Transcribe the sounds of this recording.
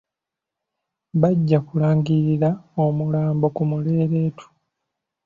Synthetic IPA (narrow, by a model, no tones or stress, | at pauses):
βaɟːakulaːŋɡiɾiɾaomulaːmbo̞kumule̞ːɾe̞ːtʰu̥